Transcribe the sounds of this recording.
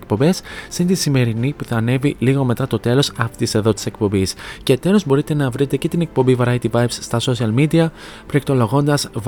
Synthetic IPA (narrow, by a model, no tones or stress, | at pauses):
kpo̞mbe̞sːind̪isime̞ɾinipuθɐːne̞viliɣo̞me̞t̪ɐt̪o̞t̪e̞lo̞sɐft̪ise̞ðo̞t̪i̥se̞kpo̞mbisce̞ːt̪e̞lo̞zbo̞ɾit̪e̞nɐvɾit̪e̞ce̞t̪ine̞k̚po̞mbivɐɾɐjt̪ivɐjvsːt̪ɐso̞siɐlmid̪iɐ | pɾekt̪o̞lo̞ɣo̞nd̪ɐsv